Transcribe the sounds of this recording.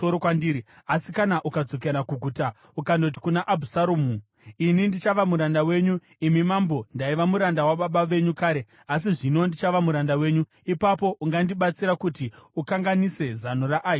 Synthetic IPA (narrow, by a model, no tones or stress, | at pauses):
oɾokwandiɾi | asikanaʔukad͡zo̞k̬eɾakuɡʱuːta | ukando̞t̬i̥kunaʔabʱusaɾoːmu | inindit͡ʃaʋamuɾandawe̞ɲu | imimambo̞ndaiʋamuɾandawaɓaɓaʋe̞ɲukaːɾe | as̬iʐino̞ndit͡ʃaʋamuɾandawe̞ːɲu | ipapo̞ʔuŋɡandiɓat͡siɾakutiukaŋɡanise̞zanoraʔaːi